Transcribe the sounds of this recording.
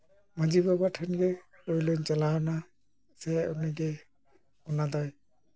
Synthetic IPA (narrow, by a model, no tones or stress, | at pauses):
mad͡ʒibabaʈʰanɡɛ | ɔjlɔjnt͡ʃalawna | sɛɔniɡɛ | ɔnad̪ɔj